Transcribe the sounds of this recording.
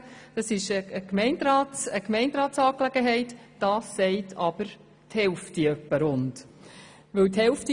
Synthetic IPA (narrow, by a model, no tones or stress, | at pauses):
d̥ɑsɪʃəəkmɛɪndɾɑːtəkmɛɪndɾɑːtsɑːklɛɡəɦɛɪt | d̥ɑːsːɛɪtʰɑb̥əɾ | thɛlftiœpːəɾʊnt | vɵwthɛlfti